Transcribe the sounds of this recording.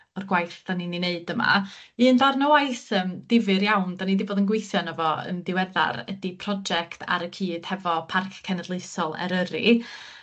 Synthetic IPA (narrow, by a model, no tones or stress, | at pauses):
ɔrɡwajθd̥aninineɨdəma̰iəndarnɔwajsəːmd̥ɪvɨɾjawnd̥anidiboːdənɡwɪθjɔnəvɔə̰ndɪwɛða̰ɾə̰dipʰrɔd͡ʒɛktʰa̰ɾəkʰiːd̥hɛvɔpʰarkʰkʰːɛnədlˠeɨsɔlˠɛ̰ɾəɾḭ